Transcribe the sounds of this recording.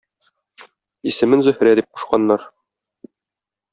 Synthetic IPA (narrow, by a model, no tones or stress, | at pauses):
isɘ̆mɘnzɵ̆hɾæd̪ip̚qŭ̥ʃqɑnːɑɾ